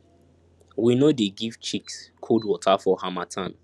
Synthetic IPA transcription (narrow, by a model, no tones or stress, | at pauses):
winodeɡift͡ʃikskʰodwɔtʰafɔhamatʰãn